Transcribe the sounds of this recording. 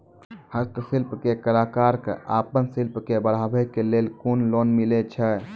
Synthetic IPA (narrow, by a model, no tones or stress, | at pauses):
həksilpkekəlakaɾkaːpənsilpkebəɽ̤abɛkelelkonlonmilet͡ʃʰɛ